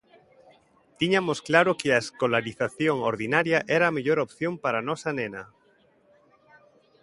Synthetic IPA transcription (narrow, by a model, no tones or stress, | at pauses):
t̪iɲamosklaɾokeaeskolaɾiθaθjoŋoɾðinaɾjaʔɛɾaːmeʎoɾopθjompaɾanɔsanẽna